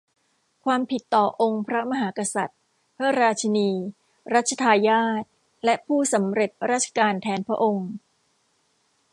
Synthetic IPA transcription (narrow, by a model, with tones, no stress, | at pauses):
kʰwaː˧mpʰi˨˩t̪ːɔː˨˩ʔo˧ŋpʰɾa˦˥ma˧ɦaː˩˦ka˧sa˨˩t̪̚ | pʰɾa˦˥ɾaː˧t͡ɕʰa˧niː˧ | ɾa˦˥t̪̚t͡ɕʰa˧t̪ʰaː˧jaː˥˩t̪̚ | lɛ˦˥ʔpʰuː˥˩sa˩˦mɾe˨˩t̪̚ɾaː˦˥˩t̪̚t͡ɕʰḁ˧kaː˧nt̪ʰɛː˩˦npʰɾa̰˦˥ʔo˧ŋ